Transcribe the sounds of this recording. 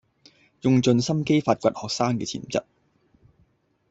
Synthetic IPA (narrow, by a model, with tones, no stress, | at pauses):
jʊ˧ŋt͡sɵ˧nsɐ˥mke˥jfaː˧t̚kʷɐ˨t̚hɔː˨k̚saː˥ŋkɛː˧t͡sʰḭː˨˩mt͡sɐ̰˥t̚